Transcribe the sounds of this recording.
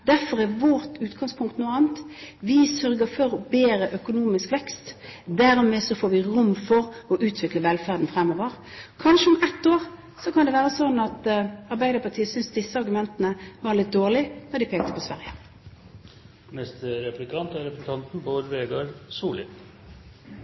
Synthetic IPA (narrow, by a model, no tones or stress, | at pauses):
d̪æɾfɔɾæʋɔɾt̪ʉːt̪ɡɑŋspʰʊŋkt̪nuːɑːnt̪ʋɪsœɾɡəɾfɔɾɔbeːɾəʔœkʊnuːmɪskʋɛkst̪d̪æɾmeːsɔfoːɾʋɪʁʊmːfɔʁɔʔʉːt̪ʰʋɪkləʋɛlfæːʁd̪n̩fɾɛmɔːʋəɾ | kʰɑnʂəɔmɛt̪ːoːʁ | sɔkɑnd̪ɛʋæːɾəsɔnːɑt̪ɑɾbæɪd̪əɾpɑt̪ʰiːəsʏnsd̪ɪsːəɑɾɡʉmɛnt̪ənəʋɑɾlɪt̪̚d̪oːʁlɪnɔɾd̪ɪpʰeːk̚t̪ə̥pʰɔsʋæ̰ɾjə | mɛst̪ɾɛpɾɪkʰɑnt̪æɾɛpt̪ʰɑnt̪n̩boːd̪əʋeːɡɑɾsuːlɪ̰